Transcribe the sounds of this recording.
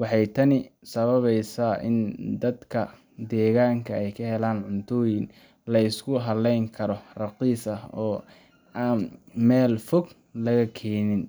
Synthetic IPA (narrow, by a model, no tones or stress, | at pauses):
wɑħɑjt̪ʰɐnɪsɐβɐβɛjsaːʔɪ̰nd̪ɐd̪kʰɐ | d̪ɛːɣaːŋkʰɐɛjkʰɐɦɛlaːnʕʊnt̪ʰɔːjɪn | lɐɪskʰʊɦɐlɛjŋkʰɐɾɔrɑqiːsɐhɔː | aːnmɛːlfɔɡ | lɐɣɐkʰɛːnɪn